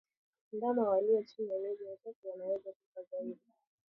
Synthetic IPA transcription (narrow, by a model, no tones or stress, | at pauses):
ndamawaliwɔt͡ʃinialɛʄinasakuwanawɛzakukazaiɗi